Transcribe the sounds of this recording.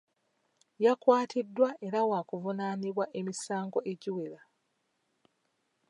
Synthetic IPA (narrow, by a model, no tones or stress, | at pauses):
jakwaːtʰidːwaʔe̞ɾawaːkuvunaːniβwaʔe̞misaːŋɡo̞ʔe̞ɟiwela